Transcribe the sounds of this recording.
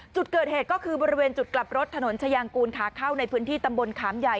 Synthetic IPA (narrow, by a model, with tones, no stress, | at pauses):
t͡ɕu˨˩t̪̚kɤː˨˩t̪̚heː˨˩t̪̚kɔː˥˩kʰɯː˧bɔː˧ɾi˦˥weː˧nt͡ɕu˨˩t̪̚kla˨˩p̚ɾo˦˥t̪ʰːa˧no˩˦nt͡ɕʰa˧jaː˧ŋkuː˧nkʰaː˩˦kʰa˥˩wna˧jpʰɯː˦˥nt̪ʰiː˥˩t̪a˧mbo˧nkʰaː˩˦mja˨˩j